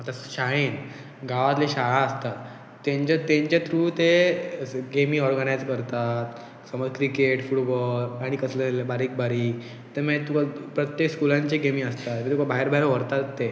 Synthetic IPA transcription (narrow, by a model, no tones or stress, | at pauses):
at̪aɕaɭen | ɡaʋat̪leɕaɭãəst̪a | t̪ːẽɲt͡ɕat̪ẽɲt͡ɕat̪ɾuːt̪e | ɡemĩɔɾɡənajd͡zkəɾt̪at̪ | səməd͡zkɾikeʈfuʈbɔlaɽ̃ikəslelebaɾiːk̚baɾiː | t̪emet̪ukapɾət̪jekskulãɲt͡ɕeɡemiːəst̪at̪ʋet̪ukabʱaɦeɾbaɦjɾʋəɾt̪at̪ːe